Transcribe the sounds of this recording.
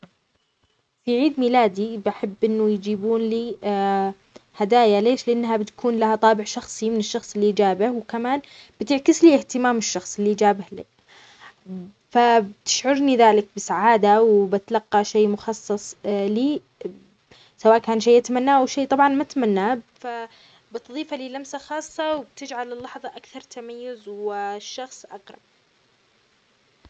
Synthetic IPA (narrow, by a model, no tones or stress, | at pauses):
fiʕiːd̪milaːd̪ibaħɪbːʔɪnːʊjd͡ʒiːbuːnliː | had̪aːjaleːʃlɪʔanːɦabɪt̪kʰuːnlahat̪ˤɑːbɪʕʃɑxsˤimɪnɪʃːɑxsˤɪlːiʔd͡ʒaːbɪhwkamaːnb̥ɪt̪ɪʕkɪsliːɪht̪ɪmaːmɪʃːɑxsˤɪlːiʔd͡ʒaːbɪhli | fabɪt̪ɪ̥ʃʕʊɾniðaːlɪk̚bɪsaʕaːd̪awbɪt̪lɑqːɑʃeːmʊxɑsˤːɑsˤliː | sawaːʔkaːnʃeːʔat̪amanːaːʔawʃeːt̪ˤɑbʕɑnmat̪manːaːfa | bɪt̪ðˤiːfaliːlamsaxɑːsˤːɑwɪb̚t̪ɪd͡ʒʕalɪlːɑħðˤɑʔakθɑɾˤt̪amajːʊzwɪʃːɑxsˤʔɑ̰qɾˤɑ̰b